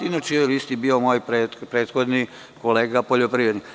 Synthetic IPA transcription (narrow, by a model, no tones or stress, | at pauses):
inat͡ʃeolist̪ibiomoːjpɾepɾeːt̪xo̞d̪ni | koleːɡapoʎopɾiʋɾed̪nik